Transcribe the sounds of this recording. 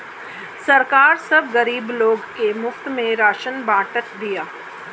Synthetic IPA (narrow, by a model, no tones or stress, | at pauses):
sɐɾkaːɾsɐbɣɐɾiːbloːɡkemʊft̪mẽɾaːʃənbaːʈət̪̚d̪ijaː